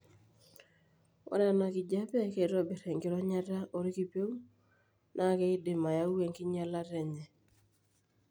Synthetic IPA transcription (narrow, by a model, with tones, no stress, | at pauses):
ɔ̰˦ɾa˦˨na˨kɪ˨d͡ʒa˦pɛ˦ke˨ɾo˦bi˨ɾɛ˨ŋɡɪ˨ɾɔ˦ɲa˦ta˦ʔo˨ɾi˦ki˦˨pe˦wu˦ | nʔa˦ke˦ɪ˦dɪ˨ma˨ja˦we˨ŋki˦ɲa˦la˦ɾɛ˨ɲɛ˨